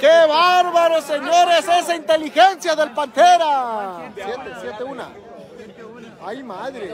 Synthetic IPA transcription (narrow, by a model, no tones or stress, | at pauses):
keβaɾβaɾoseɲoɾesesaint̪elixensjaðe̞lpant̪eɾasjet̪esjet̪euna̰ | ajmaðɾe